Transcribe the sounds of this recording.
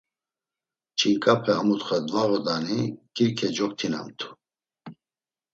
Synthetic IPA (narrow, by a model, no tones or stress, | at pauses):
t͡ʃʰiŋkʼapʰɛamut̪χɛd̪vaɣɔd̪anikʰʼiɾkʰɛd͡ʒɔk̚t̪ʰina̰mt̪ʰu̥